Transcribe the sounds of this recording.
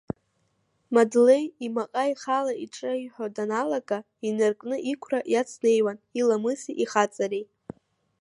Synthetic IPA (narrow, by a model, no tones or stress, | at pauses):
madle̞jimaqʼaiχalaiʈ͡ʂʼaiħʷᶣadanalaɡʼa | inɨrkʼnɨʔikʷʰraʔjat͡sʰne̞jwanilamɨsiʔiχat͡sʼaɾej